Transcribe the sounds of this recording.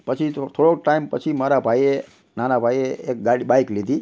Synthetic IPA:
pət͡ʃʰit̪ʰoɽok̚ʈaimpət͡ʃʰimaɾabʱaie | nanabʱaieːk̚ɡaibajklid̪ʱi

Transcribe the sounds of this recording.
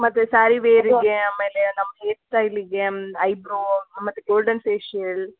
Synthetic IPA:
mɐt̪ːusaːɾiʋeːɾiɡeaːmeːlenɐmːɐɦeːsʈɐjliɡeɐjbɾumɐt̪ːuɡoːlɖɐnseːʃel

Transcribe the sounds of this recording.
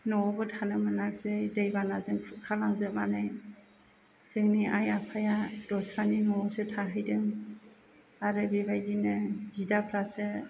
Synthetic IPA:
nɔbɯtʰanɯmɯnak̚sɯdejbanazɯŋʰkʰalaŋzɯmanaj | z̥ɯŋniʔajapʰajad̥ɔsɾaninɔɔsɯtʰaɦɯjdɯŋ | aɾɯbibajdinɯzidapʰɾasɯ

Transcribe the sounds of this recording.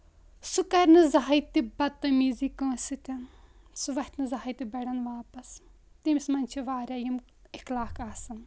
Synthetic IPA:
sukɐɾnɨzaɦɐit̪ibɐt̪ːɐmiːzikɐːsit̪ʲɐn | suʋɐht̪nɨzaɦit̪ibɐɽɐnʋaːpɐs | t̪imismɐnʲt͡ʃʰiʋaːɾʲaːjim | iklaːkaːsɐn

